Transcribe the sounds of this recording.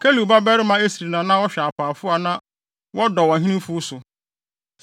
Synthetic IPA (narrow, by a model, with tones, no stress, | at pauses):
kʰe˦lu˨ba˦bɛ˦ɾɪ˦mã˦e˦si˨ɾi˨nã˨nã˦wɔ˦ɕᶣɛ˨a˨pʰaː˨fʊ˦a˨nã˦ | wɔ˦dɔ˨wɔ̃˨ɦĩ˦nĩ˦fʊ˦sʊ˨